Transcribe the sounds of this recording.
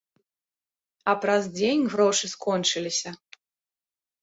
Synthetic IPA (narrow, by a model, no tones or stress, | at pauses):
ɐpɾɐzd͡zʲenʲɣɾɔʂɨskɔnt͡ʂɨlʲisʲɐ